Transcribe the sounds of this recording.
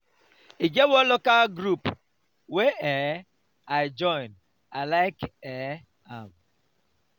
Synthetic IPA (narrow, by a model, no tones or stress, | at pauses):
iɡewolokaɡɾup | wee | aɪd͡ʒɔɪn | alaɪke | am